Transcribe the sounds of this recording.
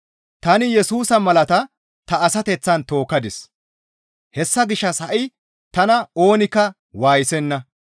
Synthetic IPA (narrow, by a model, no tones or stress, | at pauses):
t̪ɐnɪjɛsuːsɐmɐlɐt̪ɐ | t̪ɐːsɐt̪ɛt͡sːɐnt̪o̞ːkːɐd̪ɪs | hɛsːɐɡɪʃːɐshɐʔɪ | t̪ɐnɐo̞ːnɪkːɐ | waːjɪsɛnːɐ